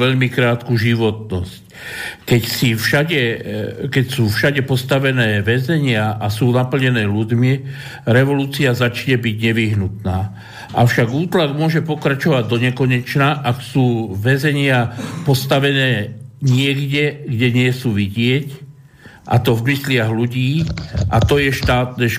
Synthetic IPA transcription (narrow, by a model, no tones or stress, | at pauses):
ʋɛʎmikɾaːt̪kuʒiʋɔt̪nɔsc | kɛcsifʃaɟɛkɛcsuːfʃaɟɛpɔst̪aʋɛnɛːʋɛzɛɲɪaʔasuːnapl̩ɲɛnɛːʎudmi | ɾɛʋɔluːt͡siazat͡ʃɲɛbiɟɲɛʋiɦnut̪naː | ʔaʊʃaɡuːt̪laɡmʊɔʒɛpɔkɾat͡ʃɔʋaɟd̪ɔɲɛkɔɲɛt͡ʃnaʔaksuːʋɛzɛɲɪapɔst̪aʋɛnɛːɲɪɛɡɟɛɡɟɛɲɪɛsuːʋiɟɪɛc | ʔa̰t̪ɔvmislɪaɣluɟiːʔat̪ɔjɛʃt̪aːt̪nɛːʃ